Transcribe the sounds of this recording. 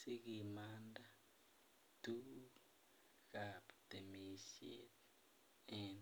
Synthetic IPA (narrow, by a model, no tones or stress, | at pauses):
siɡimanda | tu | kaptemisḛt | ɛn